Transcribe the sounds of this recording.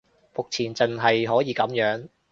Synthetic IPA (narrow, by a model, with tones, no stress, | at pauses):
mʊ˨k̚t͡sʰiː˨˩nt͡sɐ˨nɦɐ˨jɦɔː˨˥jiː˨˧˥kɐ˨˥mjœː˨˥ŋ